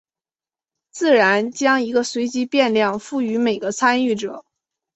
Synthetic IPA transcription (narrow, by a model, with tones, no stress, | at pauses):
t͡sɹ̩˥˩ɻa˧˥nt͡ɕjɑ˥ŋi˧˥ɡə˧swe˧˥ɪt͡ɕi˧˥pjɛ˥˧nljɑ˥˧ŋfu˥˩y˧˥me˨˩ɪɡə˦t͡sʰa˥ny˥˩ʈ͡ʂɤ˨˩˦